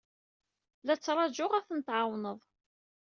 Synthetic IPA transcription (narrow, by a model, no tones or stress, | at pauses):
læt͡sːɾˤɑd͡ʒʊʁæθənt̪ʕawnəðˤ